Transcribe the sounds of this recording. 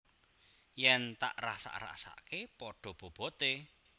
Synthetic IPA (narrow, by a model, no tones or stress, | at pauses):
jɛnt̪a̰ʔra̰sa̰ʔra̰sa̰ʔkepɔɖ̥ɔ̤b̥o̤b̥ɔ̤t̪e